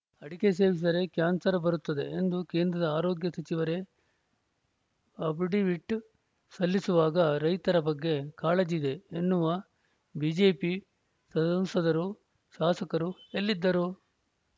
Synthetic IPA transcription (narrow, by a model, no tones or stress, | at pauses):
ɐɽike̞s̬e̞ːʋis̬ɐɾe̞kjaːnsɐɾɐbɐɾut̪ːɐd̪e̞̰end̪uke̞ːnd̪ɾɐd̪ɐaːɾoːɡjɐsɐt͡ʃiʋɐɾe̞ | ɐbiɖiʋiʈː | sɐlːisuʋaːɡɐɾɐjt̪ɐɾɐbɐɡːe̞kaːled͡ʒid̪e̞ːnːuʋɐ | biːd͡ʒe̞ːpi | sɐɐmsɐd̪ɐɾu | ʃaːsɐkɐɾuelːid̪ːɐɾu